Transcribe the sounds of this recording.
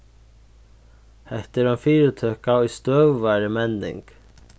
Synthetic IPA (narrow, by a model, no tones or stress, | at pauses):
hɛht̪ɪɾanfiːɾɪt̪ʰøːkaujst̪œːvːaɾɪmɛnːɪ̰ŋk